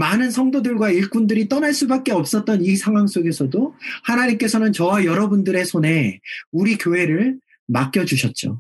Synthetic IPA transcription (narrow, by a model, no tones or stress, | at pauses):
manɯnsʰʌŋdodɯɭɡwaiɭk͈undɯɾit͈ʌnaɭs͈ubak̚k͈e̞ʌp̚s͈ʌt̚t͈ʌnisʰaŋɦwaŋs͈oɡe̞sʰʌdohanaɲik͈e̞sʰʌnɯnt͡ɕʌwajʌɾʌbundɯɾe̞sʰone̞uɾikjoɦe̞ɾɯɭ | mak͈jʌd͡ʑuɕʰʌt̚t͡ɕ͈o̰